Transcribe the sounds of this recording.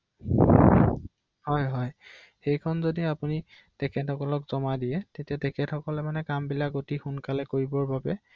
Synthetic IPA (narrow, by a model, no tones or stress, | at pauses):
hɔjɦɔj | xejkʰɔnzodiapuni | tɛkʰɛthɔkɔlɔkz̥ɔmadijɛtetiatɛkʰɛthɔkɔlɛmanɛkambilakotixunkalɛkoɹibɔɹbabɛ